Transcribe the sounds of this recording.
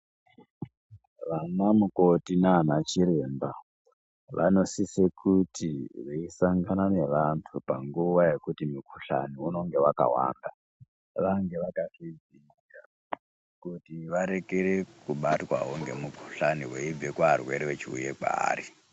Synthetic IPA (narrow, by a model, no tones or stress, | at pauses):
ʋanamuko̞tinanat͡ʃiɾe̞mba | ʋʔa̰no̞sisekʰutiʋeisaŋɡanane̞ʋantʰupa̰ŋɡuʋaje̞kutimukʰuɬa̰niuno̞ŋɡe̞waka̰wa̰nda | ʋaŋɡe̞ʋakafid͡zi | a | kutiʋaɾe̞keɾekuɓatwa̰ɦoŋɡe̞mukʰu̥ɬaniɦweib͡vekwaɦarwe̞ɾewet͡ʃiṵjeka̰ːɾi